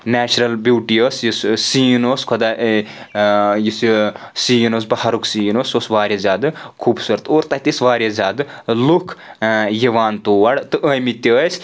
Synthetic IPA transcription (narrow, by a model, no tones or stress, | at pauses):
neːt͡ʃɾɐlbjuːʈioːsjissiːnoːskʰod̪a | jissiːnoːs̬bɐhɐɾuksiːnoːsosʋaːɾʲjɐzʲaːd̪ɨkʰuːbsɨɾt̪oːɾt̪ɐt̪isʋaːɾʲjɐzʲaːd̪ɨlukʰjiʋaːnt̪oːʋɐɽt̪ɨʔəjmit̪ʲəːsʰ